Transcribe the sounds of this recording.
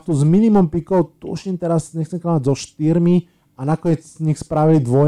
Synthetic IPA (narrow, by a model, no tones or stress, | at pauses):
t̪uzminimɔmpikɔʊt̪ṵʃimt̪ɛɾasɲɛxt͡sɛmkɔnaɟzɔʃt̪iɾmi | anakɔɲɛt͡sːɲixspɾaʋilid̪ʋɔ